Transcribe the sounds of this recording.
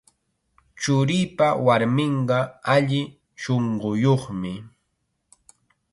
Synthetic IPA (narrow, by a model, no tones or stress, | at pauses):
t͡ʃʊɾipawaɾmɪɴɢɑaʎɪ | ʃoɴɢojoχmɪ